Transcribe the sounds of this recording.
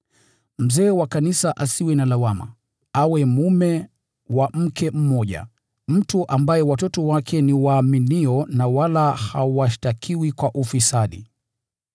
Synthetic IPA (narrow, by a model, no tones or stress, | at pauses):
m̩zɛːwakanisaʔasiwɛnalawama̰ | awɛmumɛ | wam̩kʰɛm̩mɔʄa̰ | m̩tuʔambajɛwatɔtɔwakʰɛniwaːminiɔnawalahawaʃtakʰiwikwaʔufisaɗḭ